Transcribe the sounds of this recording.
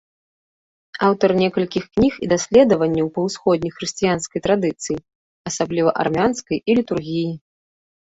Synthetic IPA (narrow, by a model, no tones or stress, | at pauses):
awt̪ɐrnʲɛkɐlʲkʲixknʲixid̪asʲlʲɛd̪ɐvɐnʲːɐwpɐwsxɔd̪ʲnʲixɾɨsʲt͡sijanskɐjt̪ɾad̪ɨt̪sɨji | ɐsablʲivɐʔa̰rmʲanskɐjʔilʲit̪urɣʲiji